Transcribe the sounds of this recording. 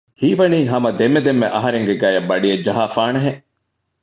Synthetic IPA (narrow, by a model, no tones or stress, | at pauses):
hiːʋɐniːɦɐmɐd̪emːed̪emːeʔɐɦɐɾeŋɡeɡæːjɐbːɐɖiɐd͡ʒɐɦaːfaːnɐɦe